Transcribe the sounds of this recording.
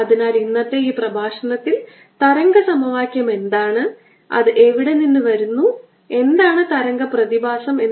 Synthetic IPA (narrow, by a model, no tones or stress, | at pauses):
ɐðinaːlinːɐtːeiːprɐbʱaːʂɐnɐt̪ːil | t̪ɐɾɐŋɡɐsɐmɐʋaːkʲjɐme̞nd̪aːɳɨ | ɐ̰ðɨʔe̞ʋiɽe̞ninːɨʋɐɾunːu | e̞nd̪aːɳɨt̪ɐɾɐŋɡɐprɐðibʱaːsɐme̞nː